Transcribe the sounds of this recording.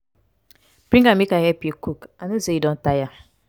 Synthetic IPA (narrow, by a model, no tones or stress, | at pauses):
b̥ɾiŋɡamikaɛpjekukanosejidõn̩taja